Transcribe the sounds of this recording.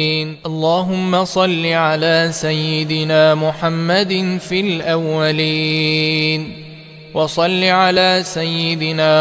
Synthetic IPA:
nʔɑlˤːaːɦʊmːasˤɑlːiʕalaːsajːɪd̪ɪnaːmʊħamːad̪filʔawːaliː | n | wɑsˤɑlːiʕalaːsajːɪd̪ɪnaː

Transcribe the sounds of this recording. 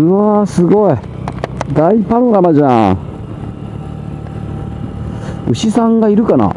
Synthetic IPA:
ɯasɨɡoi | d̪aipanonamaʑã̰ | ɯ̟ɕisãŋɡaiɾɯ̟kana̰

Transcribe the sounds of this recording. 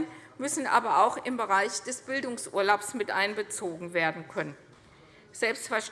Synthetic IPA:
nmʏsn̩ʔa̰ːbɐaʊxɪmbəʁaɪçd̥ɛsb̥ɪldʊŋsʔuːɐlaʊpsmɪtʔaɪnbət͡soːɡŋ̩veːɐdn̩kʰœnən | z̥ɛlpstfɛɐʃ

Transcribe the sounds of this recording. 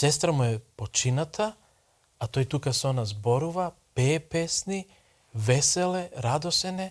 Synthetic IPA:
sɛs̬t̪ɾamuɛpot͡ʃinat̪ʰa | at̪ojt̪ukasonazboɾuvapɛpɛsni | vɛsɛlɛɾad̪osɛnɛ

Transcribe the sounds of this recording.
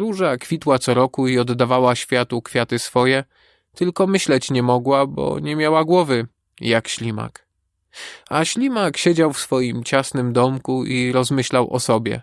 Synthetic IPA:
ɾuʐakfʲit̪wat̪sɔɾɔkuiɔd̪ːavawaɕfʲjat̪ukfʲjat̪ɘsfɔjɛ | t̪ɘlkɔmɘɕlɛt͡ɕɲɛmɔɡwabɔ̰ɲɛmʲjawaɡwɔvɘ | jakɕlʲima̰k | aɕlʲimakɕɛd͡ʑawfsfɔjimt͡ɕasnɘmd̪ɔmkuiɾɔzmɘɕlawʔɔ̰sɔbʲjɛ̰

